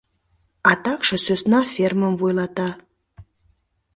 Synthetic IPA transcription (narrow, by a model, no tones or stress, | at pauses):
ɑt̪ɑkʃɤ̆søsnɑfʲerməmvojlˠɑt̪ɑ